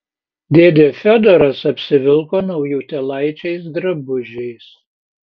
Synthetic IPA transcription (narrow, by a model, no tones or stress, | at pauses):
d̪ʲeːd̪ʲefʲɔd̪ɔɾɐsɐpʲsʲɪʋʲɪlˠkoːnɐʊjuːt̪ʲɛlˠɐɪt͡ʃʲɛɪs̬d̪ɾɐbʊʒʲɛɪs